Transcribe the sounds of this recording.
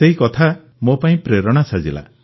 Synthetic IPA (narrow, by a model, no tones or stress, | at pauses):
seɦikɔt̪ʰa | mopaĩpɾeɾɔɽ̃asad͡ʒila̰